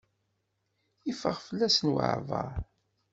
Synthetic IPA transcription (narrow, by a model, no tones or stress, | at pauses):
ifəʁfəlːæsənwə̰ʕvɑ̰